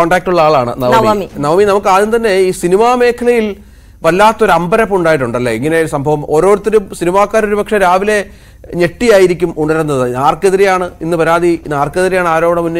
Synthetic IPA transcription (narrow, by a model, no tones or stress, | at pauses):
oːɳɖaːk̚ʈuɭːɐaːɭaːɳɨ̰nɐʋmɐminɐʋɐminɐmukːɨaːðinːɨt̪ɐnːe̞iːsinimaːme̞ːkʰːɐlɐjil | ʋɐlːaːt̪ːo̞ɾuɐmbɐɾɐpːuɳɖaːjiʈ̬ːuɳɖɐlːɐiŋːɐne̞sɐmbʱɐʋɐmo̞ːɾo̞ːɾut̪ːeɾumsinimaːkːaːɾo̞ɾupɐkʂeɾaːʋile̞ | ɲe̞ʈːijaːjiɾikʲːumuɳɐɾunːɐðɨaːrkeðiɾejaːɳɨinːɨpɐɾaːd̪ʱinaːrkːeðiɾejaːɳaːɾo̞ːbɐɳɐmunːɨ